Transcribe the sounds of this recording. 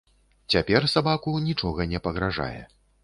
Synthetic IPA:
t͡sʲapʲɛrsabakunʲit͡ʂɔɣɐnʲɛpɐɣɾaʐa̰jɛ̰

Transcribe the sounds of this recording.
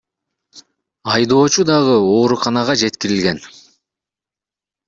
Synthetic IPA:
ɑjd̪o̞ːt͡ʃud̪ɑʁɯoːɾuqɑnɑʁɑd͡ʒe̞t̪kiɾilɡʲe̞n

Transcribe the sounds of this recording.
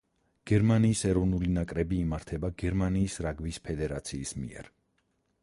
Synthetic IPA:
ɡ̥ɛɾmaniːsɛɾɔvnulinakʼɾɛbiːmaɾt̪ʰɛbaɡɛɾmaniːsɾaɡvispʰɛd̪ɛɾat̪sʰiːsmḭɛ̰ɾ

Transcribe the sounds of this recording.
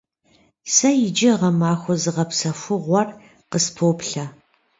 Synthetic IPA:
sɐjɪd͡ʒɪʁɐmaːxʷɔzɨʁɐpsɐfʷʊʁʷɔr | qəspʰoːpɬɐ

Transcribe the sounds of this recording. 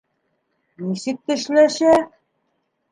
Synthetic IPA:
nisɘk̚t̪ɘ̆ʃlæʃæk̚

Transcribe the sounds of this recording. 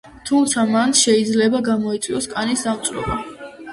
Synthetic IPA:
t̪ʰumt̪sʰamanʃɛid̪zlɛbaɡamɔit̪sʼwiɔskʼanisd̪amt̪sʼɾɔ̰ba

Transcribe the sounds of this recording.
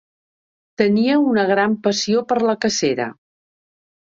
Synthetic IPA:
t̪əniəunəɣ̞ɾampəsiopəɾləkəseɾə̰

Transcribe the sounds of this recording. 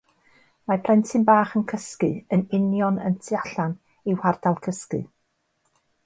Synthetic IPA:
mapʰlɛntʰɨnbaːχənkʰəskɨənɪnjɔnə̰ntʰɨaɬan | iwhardalˠkʰəskɨ̰

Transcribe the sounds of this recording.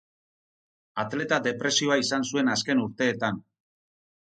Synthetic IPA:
at̪le̞t̪ad̪e̞pɾe̞sio̞aisansue̞naske̞nuɾt̪e̞ːt̪an

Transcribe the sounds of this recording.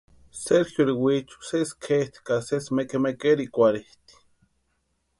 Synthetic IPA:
seɾxjoɾiwit͡ʃu̥seskʰeht̪i̥kasesmekemekeɾikʷaɾiht̪i̥

